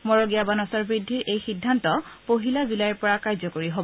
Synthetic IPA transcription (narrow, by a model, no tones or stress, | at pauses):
mɔɹoɡijabanɔsɔɹbɹidʱːiɹʔejxidʱːantɔpoɦilazulajɔɹpɔɹakajzɔkoɹiɦob